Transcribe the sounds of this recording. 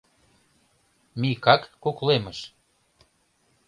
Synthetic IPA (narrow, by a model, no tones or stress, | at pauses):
mikɑkːokleməʃ